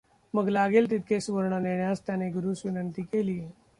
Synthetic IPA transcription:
məɡlaɡeːlt̪it̪̚kʰesuʋəɾɳ̃aneɳjast̪janeɡuɾuːsʋinənt̪iːkeliːe

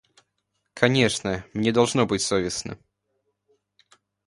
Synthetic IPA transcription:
kʰɐnʲeʂnəmnʲed̪ɐlˠʐnobɨtʲsovʲɪsnə̰

